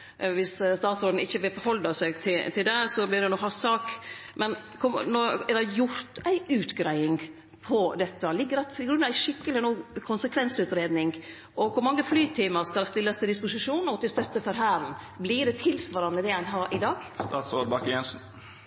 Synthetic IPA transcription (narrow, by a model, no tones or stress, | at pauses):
ʋɪsst̪ɑːt̪sɾoːd̪n̩ɪçːəʋɪlfɔɾhɔld̪ɑsæɪɡt̪ʰɪt̪ʰɪld̪ɛsɔblɪd̪ɛnɔhɑsɑːkmɛn | kʰʊnɔɛɾdæjʊɾt̪æɪʔʉːt̪ɡɾæɪɪŋ | pʰɔd̪ɛt̪ːəlɪɡːəɾɛt̪ɪɡɾʉnɑʋæɪʂɪkːəlɪnuːkʰʊnsəkʰʋɛnsʉːt̪ɾeːd̪nɪŋ | ʔɔkʊɾmɑŋːəflyːt̪ʰiːməɾskɑlɑst̪ɪlːɑst̪ʰɪld̪ɪspʊsɪʂuːnɔt̪ɪlst̪œt̪ːəfɔɾɦæːɾn | blɪɖ̪ɛt̪ʰɪlsʋɑːɾɑnəd̪ɛænɦɑːɾʔɪd̪ɑːɡst̪ɑːt̪sɾoːd̪̚bɑkjɛnsn̩